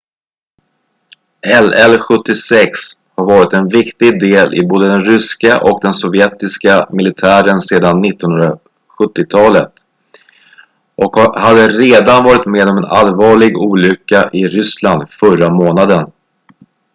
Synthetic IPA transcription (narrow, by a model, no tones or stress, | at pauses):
ɛlɛlɧɵt̪ːɪsɛkshaɾvɑːɾɪt̪ɛnvɪkt̪ɪɡd̪eːlʔɪ̰boːd̪əd̪ɛnɾʏskaʔɔkd̪ɛnsɔvjɛt̪ɪskamɪlɪt̪ʰæːɾənseːd̪anːɪt̪ːɔnɵnɾa | ɧɵt̪ːɪt̪ʰɑːlət̪ | ʔɔkhad̪ːəɾeːd̪anvɑːɾɪt̪meːd̪ɔmɛnʔa̰lvɑːɭɪɡuːlʏkːaʔɪɾʏsland̪fœramoːnad̪ən